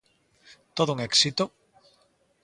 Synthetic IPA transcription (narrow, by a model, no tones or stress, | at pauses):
t̪oðouŋeksit̪o